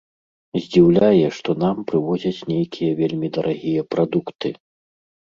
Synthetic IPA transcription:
zʲd͡zʲiwlʲajɛʂt̪ɔnampɾɨvɔd͡zʲɐt͡sʲnʲejkʲʰijɛvʲelʲmʲid̪ɐɾʔaɣʲijɛpɾad̪ukt̪ɨ

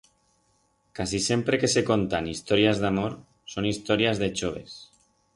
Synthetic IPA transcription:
kasise̞mpɾeke̞sekont̪anist̪oɾjazðamoɾ | sonist̪oɾiazðet͡ʃoβ̞ḛs

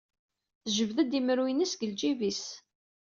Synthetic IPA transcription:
θʒəvðæd̪iməɾwinisɡəld͡ʒivis

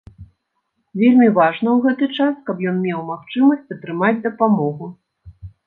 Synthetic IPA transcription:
vʲelʲmʲivaʐnɐwɣɛt̪ɨt͡ʂaskɐpjɔnmʲɛwmaxt͡ʂɨmɐsʲt͡sʲɐt̪ɾɨmad͡zʲd̪ɐpamɔɣu

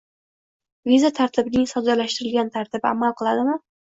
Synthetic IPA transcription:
vizat̪ʰaɾt̪ʰɪbɪnɪŋsɒd̪alaʃt̪ɪɾɪlɡʲant̪ʰaɾt̪ʰɪba̰malˠqʰɨlˠad̪ɪmɪ

